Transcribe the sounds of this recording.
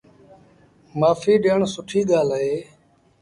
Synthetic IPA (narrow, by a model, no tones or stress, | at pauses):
maːfiːɗeːɳsʊʈʰiːɠaːlɦeː